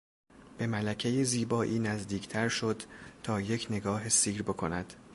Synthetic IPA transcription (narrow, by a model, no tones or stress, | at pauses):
b̥e̞mælæcʰe̞jeziːbɒːʔiːnæzd̪iːcʰt̪ʰæɾʃo̞d̪̥t̪ʰɒːje̞cʰne̞ɡɒːɦesiːɾbe̞kʰo̞næd̪̥